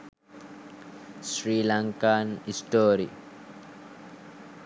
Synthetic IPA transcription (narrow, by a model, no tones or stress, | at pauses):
sɾiːlaŋkanisʈoːɾi